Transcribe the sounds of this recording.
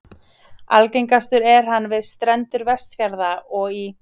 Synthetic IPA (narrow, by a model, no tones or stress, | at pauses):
a̰lcejŋkast̪ʏɾɛɾ̥hanːvɪðst̪ɾɛnt̪ʏɾvɛst̪fjaɾðaɔɣi